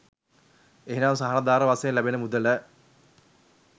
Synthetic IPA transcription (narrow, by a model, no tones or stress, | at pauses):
eɦenaːmsaɦanɐd̪aːɾəʋasejemlæbinəmud̪ələ